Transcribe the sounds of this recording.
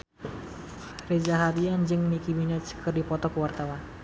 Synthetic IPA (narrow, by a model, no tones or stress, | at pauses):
red͡ʒaɦaɾiand͡ʒɨŋnikibinat͡ʃkərdipɔt̪ɔkəwart̪awan